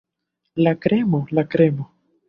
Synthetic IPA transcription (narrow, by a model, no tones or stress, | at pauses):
lakɾemolakɾemo